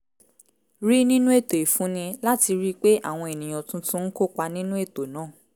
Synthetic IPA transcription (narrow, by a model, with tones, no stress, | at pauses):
ɾi˦nĩ˦nũ˦e˦˨to˨i˨fũ˨˦nĩ˧la˦ti˧ɾi˦k͡pe˦ʔa̰˦˨w̃ɔ̃˧e˨nĩ˨j̃ã˨tũ˦tũ˦n̩˦ko˦k͡pa˧nĩ˦nũ˦e˦˨to˨nãː˨˦˨